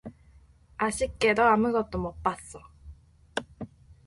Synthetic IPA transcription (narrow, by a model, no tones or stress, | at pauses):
aɕikːed̪oamɯ̟ɡot̪ːomopːasːo